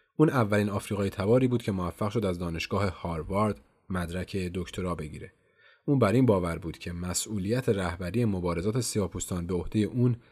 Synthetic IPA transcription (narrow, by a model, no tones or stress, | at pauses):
ʔuːnævːæliːnɒːfɾiːɣɒːjet̪ʰæbɒːɾiːbuːd̪̚cʰe̞movæfːæɣʃo̞d̪æzd̪ɒːne̞ʃɡ̥ɒːhe̞hɒːɾvɒɾd̪ | mæd̪ɾæcʰe̞d̪o̞ct̪ʰo̞ɾɒːbe̞ɟḭːɾe̞ | ʔuːnbæɾinbɒːvæɾbuːd̪̥cʰe̞mæsʔuːliːjæt̪ʰeɾæhbæɾije̞mo̞bɒːɾe̞zɒːt̪ʰe̞siɒːpʰust̪ɒːnbeo̞hd̪̥e̞je̞ʔuːn